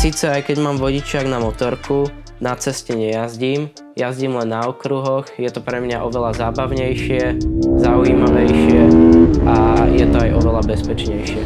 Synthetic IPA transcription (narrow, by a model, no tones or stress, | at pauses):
siːt͡sɛajkɛɟmaːmʋɔɟit͡ʃɪaɡnamɔt̪ɔɾku | nat͡sɛscɛɲɛjazɟiːm | jazɟiːmlɛnːaɔkɾuɦɔɣjɛt̪ɔpɾɛmɲaʔɔʋɛlazaːbaʊɲɛjʃɪɛzaujimaʋɛjʃɪɛʔajɛt̪ɔajʔɔʋɛlabɛspɛt͡ʃɲɛjʃɪɛ